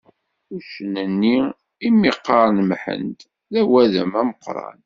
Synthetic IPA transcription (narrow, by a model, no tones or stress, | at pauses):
uʃənənːi | imːiqːɾɑnmħə̰nd̪ | ðæwæðəmæməqːɾˤɑ̰n